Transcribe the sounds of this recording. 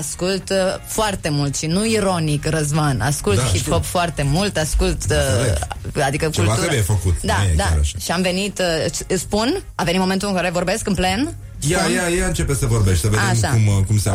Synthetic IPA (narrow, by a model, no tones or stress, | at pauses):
askult̪foart̪e̞mult̪ʃinuiɾo̞nikrəzmana̰skulthiphopfoart̪e̞mult̪askult̪ead̪ikəkt͡ʃeultat̪uɾebujefəkut̪d̪aekd̪̰ɾa̰ʃaʃiamve̞nit̪ɨspunavenimoment̪ulɨŋkaɾevo̞rbe̞skɨnple̞n | jajajaɨnt͡ʃe̞pesəvo̞ɾbeʃt̪̚ʲsəveadeʃmaumkums